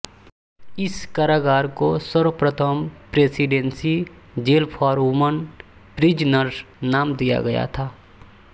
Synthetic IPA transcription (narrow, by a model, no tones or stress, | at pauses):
ɪskaɾaːɡaːɾkosəɾəpɾət̪ʰəmpɾeːsiɖẽːnsi | d͡ʒeːlpʰɔːɾumən | pɾid͡ʒnəɾ | naːmd̪ija̰ɡɐja̰t̪ʰaː